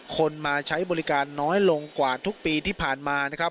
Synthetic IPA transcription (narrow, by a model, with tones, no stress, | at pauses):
kʰo˧nmaː˧t͡ɕʰa˦˥jbɔː˧li˦˥kaː˧nːɔː˦˥jlo˧ŋkwaː˨˩t̪ʰu˦˥k̚piː˧t̪ʰiː˥˩pʰaː˨˩nmaː˧na˦˥kʰɾa˦˥